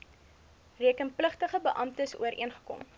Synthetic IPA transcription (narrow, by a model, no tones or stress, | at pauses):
riəkənpləχtəχəbəʔɐmtəsuəɾʔḭənχə̥kɔ̰m